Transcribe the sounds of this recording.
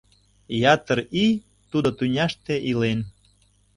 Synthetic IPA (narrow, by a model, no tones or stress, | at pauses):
jɑt̪əɾi | t̪ud̪ot̪unʲɑʃt̪eʔilen